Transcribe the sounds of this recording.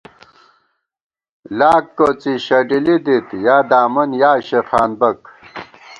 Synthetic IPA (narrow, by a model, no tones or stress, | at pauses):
laːkːoːt͡siɕɐɖilid̪it̪jaːd̪aːmɐnjaːɕexaːnbɐk